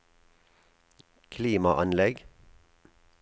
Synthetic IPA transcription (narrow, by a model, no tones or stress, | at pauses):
kʰliːmɑʔɑnlɛɡ